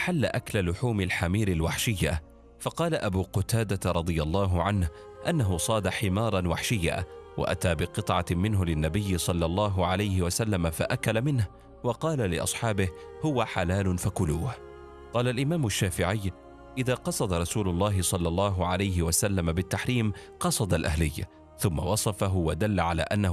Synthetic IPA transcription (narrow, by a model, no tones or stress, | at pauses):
ħalːa̰ʔaklalʊħuːmɪlħamiːɾɪlwaħʃɪjːa | fɑqɑːlaʔabuːqʊt̪aːd̪atɾˤɑd̪ˤɨjalˤːɑːɦʊʕanh | ʔanːaɦʊsˤɑːd̪aħɪmɑːɾˤɑnwaħʃɪjːa̰ːwʔa̰ʔa̰t̪aːbɪqɨt̪ˤʕɑmɪnɦʊlɪnːabɪjːɪsˤɑlːɑlˤːɑːɦʊʕalajhɪwasalːamafaʔakalamɪnh | wɑqɑːlalɪʔɑ̰sˤħɑːbɪh | hʊwaħalaːlʊnfakʊluːh | qɑːlalʔɪmaːmʊʃːaːfɪʕɪjː | ʔɪðaːqɑsˤɑd̪ɑɾˤɑsuːlʊlˤːɑːɦɪsˤɑlːɑlˤːɑːɦʊʕalajɦɪwasalːamabɪt̪ːaħɾiːm | qɑsˤɑd̪alʔa̰hlɪjː | θʊmːawɑsˤɑfaɦʊwad̪alːaʕala̰ːʔanːa